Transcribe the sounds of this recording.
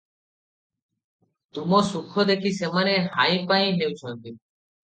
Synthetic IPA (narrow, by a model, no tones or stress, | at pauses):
t̪umosukʰːod̪ekʰisemaneɦajpajɦewt͡ɕʰɔnt̪i